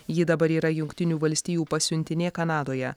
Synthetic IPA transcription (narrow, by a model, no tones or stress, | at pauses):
jɪd̪ɐbɐɾiːɾɐjʊŋkʲt̪ʲɪnʲuːʋɐlʲsʲt̪ʲiːjuːpɐsʲʊnʲt̪ʲɪnʲeːkɐnɑːd̪oːjɛ